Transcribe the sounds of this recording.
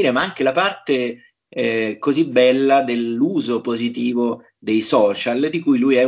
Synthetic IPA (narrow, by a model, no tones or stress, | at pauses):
ɾemaaŋk̟elapart̪e | ɛkozibɛlːad̪elːuːzopozit̪̬iːvo | d̪ejsɔːt͡ʃald̪ikujlujɛ